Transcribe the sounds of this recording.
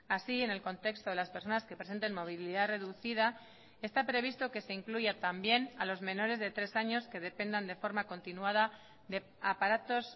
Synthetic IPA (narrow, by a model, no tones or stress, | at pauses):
asie̞ne̞lko̞nt̪e̞kst̪o̞ð̞e̞laspe̞ɾso̞naske̞pɾe̞se̞nt̪e̞nmo̞β̞iliðare̞ðuθiða | e̞st̪apɾe̞β̞ist̪o̞ke̞se̞iŋkluʝat̪ambje̞nalo̞zmẽ̞no̞ɾe̞zðe̞t̪ɾe̞saɲo̞ske̞ð̞e̞pe̞nd̪and̪e̞fo̞ɾmako̞nt̪inuaða | ðe̞ | apaɾat̪o̞s